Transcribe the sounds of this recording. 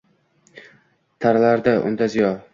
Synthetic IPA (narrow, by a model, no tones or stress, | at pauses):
t̪ʰaɾlaɾd̪aʔʊ̰nd̪azijɒɾ